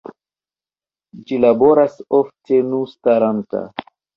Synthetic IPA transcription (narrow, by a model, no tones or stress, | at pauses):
d͡ʒilabo̞ɾasoftʰe̞nustaɾanta̰